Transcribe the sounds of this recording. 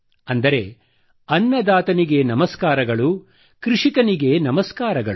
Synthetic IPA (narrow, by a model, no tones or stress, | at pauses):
ɐnd̪ɐɾe̞ | ɐnːɐd̪aːt̪ɐniɡe̞nɐmɐskaːɾɐɡɐɭu | kɾiʂikɐniɡe̞nɐmɐskaːɾɐɡɐɭu